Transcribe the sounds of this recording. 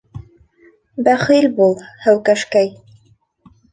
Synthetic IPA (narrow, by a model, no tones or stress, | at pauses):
bæχilʲbulˠhæwkæʃkæj